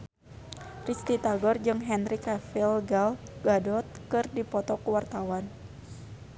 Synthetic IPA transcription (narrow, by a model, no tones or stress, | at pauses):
rist̪it̪aɡɔrd͡ʒɨŋɦɛnrikafilɡalɡadɔt̪̚kɨrdipɔt̪ɔkuwart̪awan